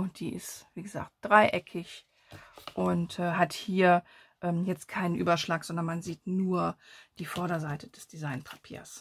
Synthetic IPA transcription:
ʊd̥ḭːʔɪ̰stv̥iːɡəza̰ːkt̚d̥ʁaɪʔɛkʰɪç | ʔʊntʔɛɦathiːɐʔɛːmjɛt͡st̚kʰaɪnənʔyːbɐʃlaːkz̥ɔndɐnmanziːtnuːɐd̥iːfɔɐɾɐzaɪtʰəd̥ɛsd̥izaɪnpʰḁpʰḭːɐs

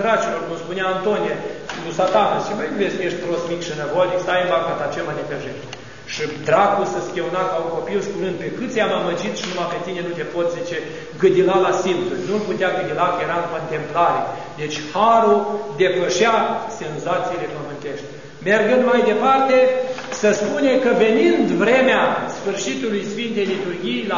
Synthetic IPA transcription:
ɾat͡ʃilo̞rkumspuneaːnt̪onijelusat̪anaʃiməjuvesʲjeʃt̪ʲpɾosmikʃinəvod̪ikst̪ajembakat̪at͡ʃemanʲekəʒeʃt̪ʲ | ʃid̪ɾakusəskʲeunakauŋko̞piwʃi̥kuɾɨnd̪̚pe̞kɨt̪sʲejamaməd͡ʒit̪ʃinumape̞t̪ine̞nut̪e̞pot̪sʲzit͡ʃe | ɡɨd̪ilalasint̪sulʲnulput̪eaɡɨd̪ilakəjeɾaɨko̞nt̪e̞mplaɾḛ | d̪e̞t͡ʃʲhaɾuld̪e̞pəʃase̞nzat̪sijle̞pəmɨnt̪e̞ʃt̪ʲ | merɡɨnd̪majd̪e̞part̪e̞ | səspunekəve̞nind̪vɾe̞measfɨrʃit̪ulujsfint̪ejlit̪urɡʲijla

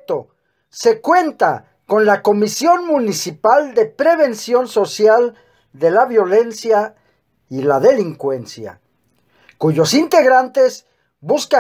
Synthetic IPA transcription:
t̪o | se̞kwe̞nt̪a | ko̞nlako̞misjo̞nmũnisipald̪e̞pɾe̞βe̞nsjo̞nso̞sjal | d̪e̞laβjo̞le̞nsja | ilaðe̞liŋkwe̞nsja̰ | kuʝo̞sint̪e̞ɣɾant̪e̞z | buska

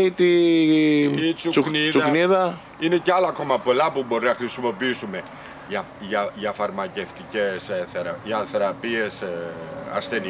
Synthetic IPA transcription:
it̪i | it͡suukniðuɐniðɐ | ine̞ceɐlɐɐko̞mɐpo̞lɐpubo̞ɾinɐxɾisimo̞piisume̞ | ʝɐ | ʝɐʝɐfɐɾmɐce̞ft̪ice̞sθeɾʝɐθe̞ɾɐpie̞s | ɐ̰sθe̞ni

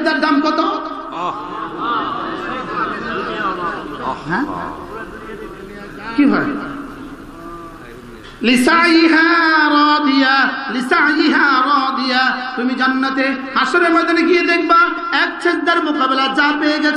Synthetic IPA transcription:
d̪ɐɾd̪amkɔt̪o | ɦ | kiɦɔj | lisajiɦaɾɔːd̪ijalisajiɦaːɾɔːd̪ijat̪umid͡ʒɐnːɐt̪e | hasoɾemɔd̪ɐnekied̪ek̚ʰba | ɛk̚t͡ʃʰed̪ɐɾmʊkaːbɪlad͡ʒãːpeɡa

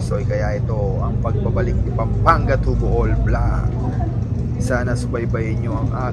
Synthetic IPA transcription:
sʔojkɐjaʔɪt̪o̞ | ɐŋpɐɡ̚pɐbɐlɪk̚nɪpɐmpaŋɡɐt̪uboʔolbla | saːnɐsʊbɐjbɐjɪɲo̞ʔɐŋʔaː

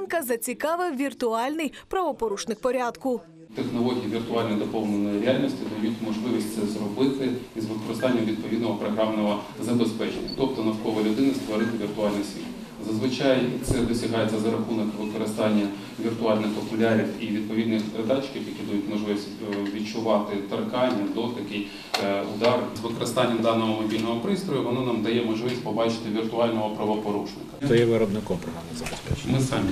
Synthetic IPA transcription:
nkɐzɐt͡sʲikɑʋɪwʋʲirt̪ʊɑlʲnɪjpɾɐʋɔpɔɾuʃnɪkpɔɾʲad̪kʊ | t̪exnɔlˠɔɦʲijiʋʲirt̪ʊɑlʲnɐjd̪ɔpɔwnenɔjiɾʲeɑlʲnʲisʲtʲɪd̪ɐjutʲmɔʒlˠɪʋʲisʲtʲt̪sɛzrɔbɪt̪ɪizʋɪkɔɾɪst̪ɑnʲːɐmʋʲid̪̚pɔʋʲid̪nɔɦɔpɾɔɦɾɑmnɔɦɔ | zɐbespɛt͡ʃḛnʲːɐt̪ɔpt̪ɔnɐwkɔʋɐlʲʊd̪ɪnɐst̪ʋɔɾɪt̪ɪʋʲirt̪ʊɑlʲnɪjsʲʋʲḭt̪ | zɐzʋɪt͡ʃɑjt̪sɛd̪ɔsʲɐɦɑjet͡sʲːɐzɐɾɐxunɔkʋɪkɔɾɪst̪ɑnʲːɐ | ʋʲirt̪ʊɑlʲnɪxpɔpʊlʲaɾʲiwiʋʲid̪̚pɔʋʲid̪nɪxpeɾɪd̪ɑt͡ʃkɪfjɐkʲid̪ud̪ʊtʲmɔʒlˠɪʋʲisʲtʲ | ʋʲit͡ʃʊʋɑt̪ɪt̪ɐrkɑnʲːɐd̪ɔt̪ɐkɪj | ʊd̪ɑrzʋɪkɔɾɪst̪ɑnʲːɐmd̪ɑnɔɦɔmɔbʲilʲnɔɦɔpɾɪst̪ɾɔjʊʋɔnɔnɑmd̪ɐjɛmɔʒlˠɪʋʲisʲtʲpɔbɑt͡ʃɪ̥t̪ɪʋʲirt̪ʊɑlʲnɔɦɔpɾɐʋɔpɔɾuʃnɪkɐ̥sɛjɛʋɪɾɔbnɪkɔmpɾɔɦɾamɪzɐbespɛt͡ʃmɪsɑmʲi

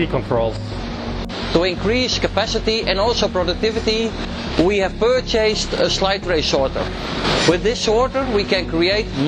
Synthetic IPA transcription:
ikɔ̃ntʰɹolˠ | tuɪ̃nkɹiskəpæsɪtiɛ̃ndɔlˠsoʊpɹɔdək̚tɪvɨti | wihæv̥pɜ˞t͡ʃeɪstəslaɪtɹeɪʃɔɹtə̰˞ | wɪðɪsɔɹtə˞wikɛ̃nkɹieɪtn

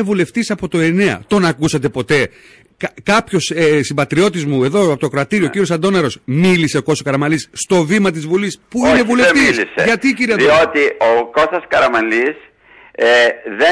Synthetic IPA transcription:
evule̞ft̪isɐpo̞t̪o̞e̞ne̞ɐ̰t̪o̞nɐkusɐt̪e̞po̞t̪e̞ | kkɐpço̞sesimbɐt̪ɾio̞t̪̬izmue̞ðo̞ɐpot̪okɾoɐt̪iɾiociɾios̬ɐnd̪o̞nɐɾo̞smilise̞oko̞sokɐɾɐmɐlisːt̪o̞vimɐt̪̬izvulispuinevuleft̪isslisḛʝɐt̪iciɾiɐðiot̪ioko̞sɐskɐɾɐmɐlis | eðe

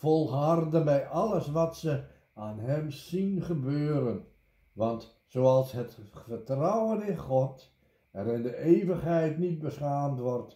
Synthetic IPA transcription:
fɔlˠɦɑrdənbɛjʔɑləsʋɑtsə | aːnɦɛmsinχəbøːɾən | ʋɑnt | soːɑlˠsɦətfərtrʌwənɪnχɔt | ɛɾɪndəʔeːvəχɦɛjtnit̚bəsχaːmtʋɔrt

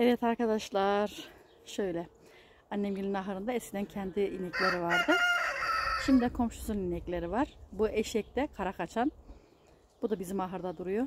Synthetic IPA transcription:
evɛt̪ʰaɾkad̪aʃlˠaɾ̥ | ʃøjlʲɛ | anːɛmɟilʲinaɦɾɯnd̪aɛskcʰid̪æncʰɛnd̪iinɛclʲe̞ɾivaɾd̪ɯ | ʃimd̪ikʰo̞mʃu̥suninɛclʲe̞ɾivaɾ̥buɛʃɛc̚t̪ɛkʰaɾakat͡ʃʰan | b̥ud̪abizimaɦɯɾd̪ad̪uɾujo

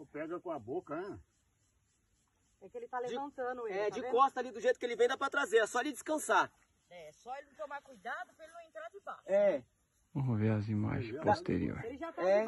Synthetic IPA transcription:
ɐ̃pɛɡɐkõɐbokɐɛ̃ | ɛkelɪt̪ald͡ʒɪɐ̃sɐ̃nʊɛd͡ʒɪkɔst̪ɐlid̪ʊʒejt̪ʊ̥kelɪvẽj̃d̪apɾɐt̪ɾazeɾɛsɔlid͡ʒɪskɐ̃saɾ | ɛsɔelɪñt̪õmaɾkujd̪ad̪ʊpelɪnɐ̃w̃ẽnt̪ɾad͡ʒɪbaʃɛ | võoveɐzima̰ʒẽpost̪ḛɾḭo̰ɾelɪʒat̪ɛ

